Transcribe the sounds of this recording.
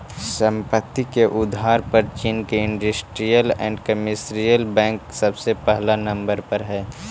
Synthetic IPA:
sə̃mpət̪ːikeʔʊd̪ʱaːɾpəɾt͡ʃiːnkeɪ̃ɳɖʊsʈɾijəlɛ̰̃ːɳɖkəmɪsɾijəlbɛ̃ːŋksɐbsepɛɦlanɐ̃mbəɾpəɾɦɛː

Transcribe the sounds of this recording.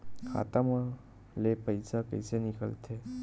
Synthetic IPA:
kʰa̰t̪amã | lepəjsapə̰jsenikə̰lt̪ʰe

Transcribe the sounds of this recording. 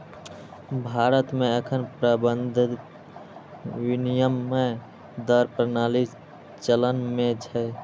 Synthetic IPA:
bʱaɾət̪meəkʰənpɾəbənd̪ʱ | winijəmːe | d̪əɾpɾənali | t͡ʃələnmet͡ʃʰɛ

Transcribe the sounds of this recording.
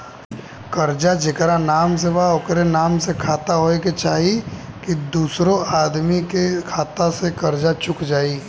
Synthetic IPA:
kɐɾd͡ʒad͡ʒekɾanaːms̬eʋaʊkɾenaːmsekʰaːt̪aɦoːeket͡ʃaːɦikid̪uːsɾõaːd̪mikekʰaːt̪asekɐɾd͡ʒat͡ʃʊkd͡ʒaːi

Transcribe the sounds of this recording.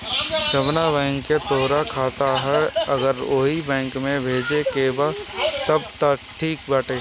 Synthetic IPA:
ʃəbnabɛ̃ːŋkːet̪oːɾakʰaːt̪aɦɛəɡəɾoːɦibɛ̃ːŋkmẽbʱeːd͡ʒekebat̪əb̚t̪əʈʰiːk̚baːʈeː

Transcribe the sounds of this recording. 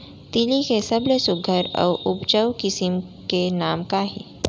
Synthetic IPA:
t̪ilikesɐblesʊɡʱəɾɔ̰ːʔʊpt͡ʃəwkɪsɪm | kenaːmkaɦḭː

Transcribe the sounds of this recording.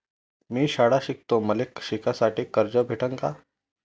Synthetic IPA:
miːɕaɽaɕik̚t̪oməlekɕikʰasaʈiːkəɾd͡ʑəbʱeʈəŋka

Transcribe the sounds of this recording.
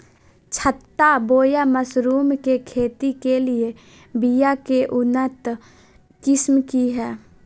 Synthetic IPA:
t͡ʃʰət̪ːaboːjaməsɾuːmkekʰeːt̪ikelie | bijakeʔʊnət̪ | kɪsmkiɦɛː

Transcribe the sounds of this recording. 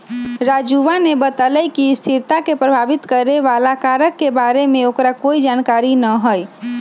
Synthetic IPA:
ɾad͡ʒuʋanebət̪əlɛjkist̪ʰiɾt̪akepɾəbʱabit̪kəɾeʋalakaɾəkːebaɾemeokɾakoid͡ʒankaɾinəɦəj

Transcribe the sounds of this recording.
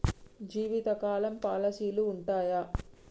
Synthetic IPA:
d͡ʒiːʋit̪ɐkaːlɐmpaːlɐsiːluːɳʈaːja

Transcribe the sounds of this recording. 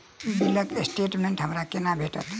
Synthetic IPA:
ibiləkesʈeʈmeɳʈɦəmɾakenabʱeʈə̰t̪ʰ

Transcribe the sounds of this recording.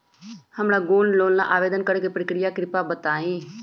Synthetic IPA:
həmɾaːɡoːnloːnla̰ʔaːʋeːd̪ənkəɾekepɾəkɾɪjaːkɾɪpaːbət̪aːĩː

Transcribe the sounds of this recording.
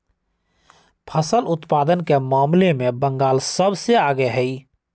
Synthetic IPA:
pʰəsəlʊt̪paːd̪ənkemaːmlemẽbə̃ŋɡaːlsəbseaːɡeɦɛi

